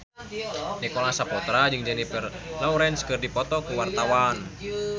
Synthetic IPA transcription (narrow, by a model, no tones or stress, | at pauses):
nikɔlasapɔt̪ɾad͡ʒɨŋd͡ʒanipərlɔuɾɛnskɨrdipɔt̪ɔkuwart̪awan